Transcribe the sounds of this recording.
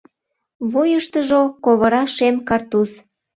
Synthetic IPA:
βujəʃt̪əʒokoβəɾɑʃemkɑrt̪us

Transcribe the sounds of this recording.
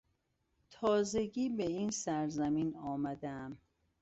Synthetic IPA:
t̪ʰɒːze̞ɟiːbeiːnsæɾzæmiːnɒːmæd̪ææm

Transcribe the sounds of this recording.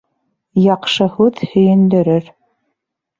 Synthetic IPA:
jɑqʃɤhuðhɵ̆jɘ̆nd̪ɘ̆ɾɘɾ

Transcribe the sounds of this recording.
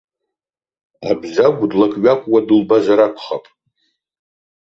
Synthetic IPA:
abzaɡʷdlakʼɥakʷʼwadɨlbazaɾakʷʰʼχapʼ

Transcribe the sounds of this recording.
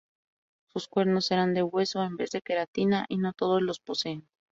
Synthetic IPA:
suskwe̞ɾno̞sːe̞ɾand̪e̞ɣwe̞so̞embe̞zðe̞ke̞ɾat̪inaʔino̞t̪o̞ðo̞zlo̞spo̞se̞ːn

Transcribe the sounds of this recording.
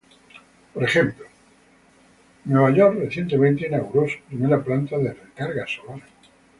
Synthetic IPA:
poɾexemplo | nweβaʎoɾreθje̞nt̪emẽnt̪einaɣuɾosu̥pɾimeɾaplant̪aðereŋkaɾɣasolaɾ

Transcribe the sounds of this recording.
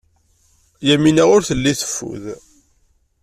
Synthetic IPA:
jæminæʁʊɾθəlːiθə̥fːṵð

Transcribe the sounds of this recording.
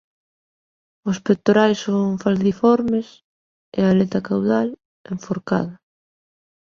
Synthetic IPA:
ʊspet̪oɾajsoŋfalθifɔɾmes | ḛalet̪akawðal | eɱfoɾka̰ðɐ

